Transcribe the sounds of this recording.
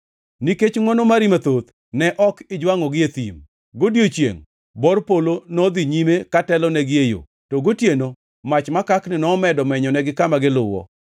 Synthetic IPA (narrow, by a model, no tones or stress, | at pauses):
niket͡ʃŋwɔnomaɾimat̪ot̪ | nɛʔɔkɪd͡ʒwaŋɔɡɪet̪ḭm | ɡodjot͡ʃjḛŋ | bɔrpolonɔd̪iɲimekatɛlɔnɛɡɪejo̰ | tɔɡotjeno | mat͡ʃmakaknɪnɔːmɛdɔmɛɲɔnɛɡɪkamaɡɪlʊwɔ̰